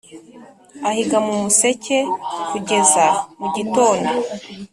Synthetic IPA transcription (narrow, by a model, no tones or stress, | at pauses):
ahiɡamumuse̞ce̞kuɟe̞zamuɟito̞ːno